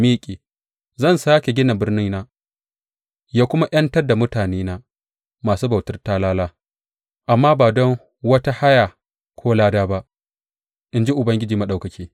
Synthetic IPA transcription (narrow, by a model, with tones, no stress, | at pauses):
miː˦kʲʼe˨ | zɐ˦˨nsaː˦kʲe˨ɡʲɪ˦na˨bɪ˦rnɪ˦ŋnaː˦ | jaː˦kʷʊ˦ma˦ʔɐ˦ntɐ˦rda˨mʊ˦taː˨neː˦naː˦ | maː˨suː˦ba˨wtɐ˦rtaː˦laː˦laː˦ | ʔa˨mːaː˦baː˨dɔ˦ŋ | wɐ˦ta˦ha˦ja˨ | kʷʰoː˦laː˦daː˦ba˦ʔ | ʔɪ˨nd͡ʒi˦ʔʊ˨bɐ˦ŋɡʲɪ˦d͡ʒiː˨ma˨ɗa˨wkɐ˨kʲiː˦